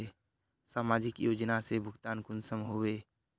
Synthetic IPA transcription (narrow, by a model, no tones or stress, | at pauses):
e | saːmaːd͡ʒɪkjoːd͡ʒnasebʱʊɡt̪aːnkʊnsəmɦoʋeː